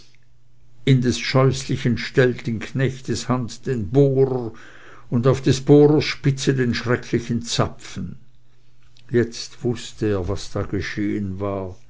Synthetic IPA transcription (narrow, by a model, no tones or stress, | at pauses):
ɪndesʃɔʏslɪçənʃtɛltɪnkʰnɛçteshantd̥eːnboːɾə | ʊndaʊfd̥esb̥oːɾəsʃpɪt͡sedenʃʁɛkʰlɪçənt͡sapfn̩ | jɛt͡stv̥ʊstəeːɐvasd̥aːɡ̥eʃeːənvaːɐ